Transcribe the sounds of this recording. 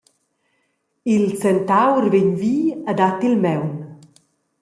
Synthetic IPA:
ilsɛnt̪awrveɲviːad̪at̪ilmɛwn

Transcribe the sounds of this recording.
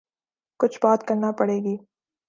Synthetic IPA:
kʊt͡ʃʰbaːt̪kɐɾnapɐɽeːɡiː

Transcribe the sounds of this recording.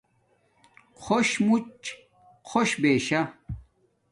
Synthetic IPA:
qʰoɕmut͡ɕ | qʰoɕbeːɕɐ

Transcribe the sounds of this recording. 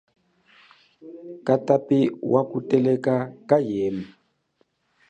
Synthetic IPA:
katapiwʔakutɛlɛkakajɛːma

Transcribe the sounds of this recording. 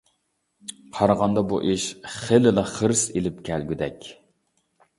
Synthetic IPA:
qʰɑɾʁɑnd̪ɑbṵʔeʃχelɪlɑχəɾselɪpkʲʰɛlɡʲyd̪ɛkʲ

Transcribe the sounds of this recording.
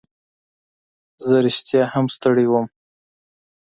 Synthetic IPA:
zəɾɪʃt̪jɑhamst̪əɽewəm

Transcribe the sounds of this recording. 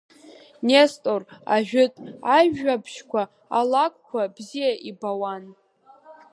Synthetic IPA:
nestʼora̰ʒᶣʊtʼaʒapʰʃkʷʰa | a̰lakʷʰʼkʷʰabzijaʔibawan

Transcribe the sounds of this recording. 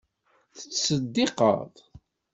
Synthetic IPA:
θə̥t͡sːsəd̪ːeqə̰ðˤ

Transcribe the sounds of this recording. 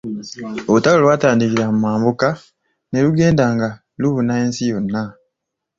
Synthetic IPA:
olutawolwaːtaːndikiɾamumaːmbuka | ne̞luɡe̞ːndaːŋɡa | luhunaeːnsijo̞nːa

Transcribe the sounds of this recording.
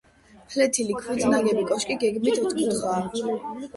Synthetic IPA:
pʰlɛt̪ʰilikʰwid̪naɡɛbikʼɔʃkʼiɡɛɡmit̪ʰut̪ʰkʰʼut̪χaː

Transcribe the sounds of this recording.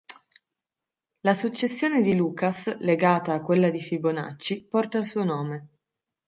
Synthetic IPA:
lasut͡ʃːesːjoːned̪iluːkasleɡaːt̪aːkːwelːad̪ifibona̰t͡ʃːipɔrt̪ailsuːonoːme

